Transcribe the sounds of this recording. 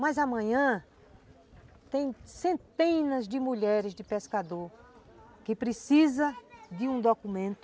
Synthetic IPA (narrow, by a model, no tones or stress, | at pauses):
mɐzɐmɐ̃ɲɐ̃ | t̪ẽj̃sẽnt̪ẽnɐzd̪ɪmuʎɛɾɪzd̪ɪpeskad̪oɾ | kɪpɾɪsizɐd̪ɪũd̪okumẽnt̪ʊ